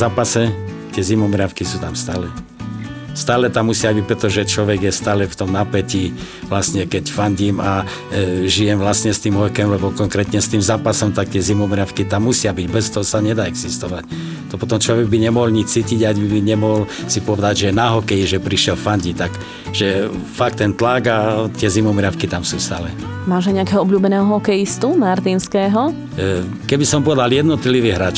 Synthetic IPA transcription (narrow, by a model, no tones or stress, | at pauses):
zaːpasɛ | t̪ɪɛzimɔmɾafkisuːt̪amst̪aːlɛ | st̪aːlɛt̪amːusɪabic̚pɾɛt̪ɔʒɛt͡ʃlɔʋɛɡjɛst̪aːlɛft̪ɔmnapɛci | ʋlasɲɛkɛcfaɲɟiːma | ʒijɛmʋlasɲɛst̪iːmɦɔjkɛmlɛbɔkɔŋkɾɛːt̪ɲɛst̪iːmzaːpasɔmt̪ak̚t̪ɪɛzimɔmɾafkit̪amːusɪabiɟbɛst̪ɔɦɔsaɲɛd̪aɛɡz̥ist̪ɔʋac | t̪ɔpɔt̪ɔmt͡ʃlɔʋɛɡ̚biɲɛmɔɦɔlɲit͡ʃt͡siːciɟaɟbiiɲɛmɔɦɔlsipɔʋɛd̪aɟʒɛnaɦɔkɛjiʒɛpɾiʃɛlfaɲɟit̪ak | ʒɛfak̚t̪ːɛnt̪laɡat̪ɪɛzimɔmɾɪafkit̪amsuːst̪aːlɛ | maːʒaɲɛakɛɦɔɔbʎuːbɛnɛːɦɔɦɔkɛjist̪umaɾt̪iːnskɛːɦɔ | kɛbisɔmpɔʋɛd̪aljɛd̪nɔt̪liʋiːɦɾaːt͡ʃ